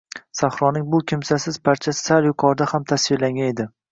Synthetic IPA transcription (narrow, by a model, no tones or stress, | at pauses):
sahɾɒnɪŋbʊkʲʰɪmsasɪz̥pʰaɾt͡ʃʰassaljʊkʰɒɾd̪ahamt̪ʰasvɪlaŋɡʲane̞d̪ɪ